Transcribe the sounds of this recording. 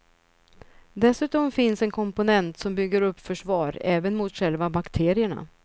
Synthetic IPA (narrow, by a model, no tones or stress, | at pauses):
d̪ɛsʉ̟ːt̪ɔmfɪnsɛnkʰɔmpʊnɛnt̪sɔmbʏɡːəɾɵpːfœʂvɑːɾɛːvənmʊt̪ɧɛlvabakt̪ʰeːɾɪəɳa̰